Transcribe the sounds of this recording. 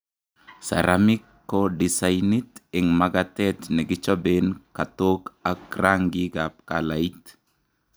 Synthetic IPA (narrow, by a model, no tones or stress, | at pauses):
sa̰ɾamikːodisajnit̪ɪŋmaɡatɛt̪nɪɡɪt͡ʃɔbenkatokakraŋɡiɡap̚kalait̪